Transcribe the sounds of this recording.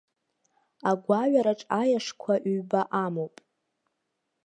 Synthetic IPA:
aɡʷaɥaɾaʈ͡ʂʼajaʂkʷʰaʔɥbaʔamowpʼ

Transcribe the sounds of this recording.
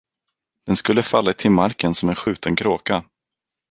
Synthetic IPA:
d̪̥ɛnskɵlːəfalːat̪ʰɪlmaɾkənsɔmɛnɧʉ̟ːt̪ənkʰɾoːka

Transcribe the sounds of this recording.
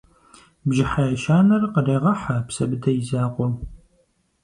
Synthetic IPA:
bʒɪħajɐʃaːnɐrqəreːʁɐħapsɐbɨdɐjɪzaːqʷɔm

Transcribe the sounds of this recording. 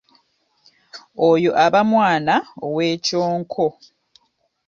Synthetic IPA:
ojoʔaβamwaːnaoweːcoːŋkʰo

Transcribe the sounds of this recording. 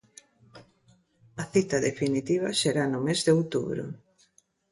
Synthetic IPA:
ɐθit̪ɐðefinit̪iβɐʃeɾanʊmezðeowt̪uβɾʊ̰

